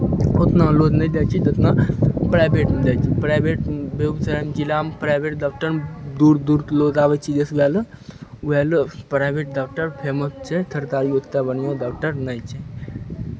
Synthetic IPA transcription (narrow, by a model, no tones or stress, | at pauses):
ot̪nalod̪nəid̪ɛt͡ʃʰit̪ot̪napɾaːjbeʈnd̪ɛːt͡ʃʰipɾaːjbeʈbeubsəɾamd͡ʒilaːmpɾaːjbeʈdak̚ʈəɾd̪uːɾd̪uːɾloːd̪aːʋət͡ʃʰid͡ʒesʋɛl | ʋɛlpɾaːjbeːʈ̚ɖaːk̚ʈəɾpʰemət̪t͡ʃʰɛt̪ʰəɾt̪aːɾiot̪t̪abənjõd̪aːk̚ʈəɾnəjt͡ʃʰɛ